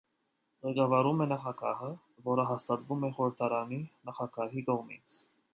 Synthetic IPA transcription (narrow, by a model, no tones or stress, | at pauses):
ʁɛkɑvɑɾumɛnɑχɑɡɑ̰hə | vɔɾəɦɑst̪ɑt̪vumɛχɔɾəɾt̪ʰɑɾɑninɑχɑɡɑɦikɔʁmḭt͡sʰ